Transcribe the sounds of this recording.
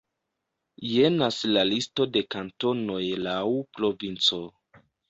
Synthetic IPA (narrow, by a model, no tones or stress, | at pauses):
jenaslalisto̞de̞kanto̞no̞jlawpɾo̞vint͡so̞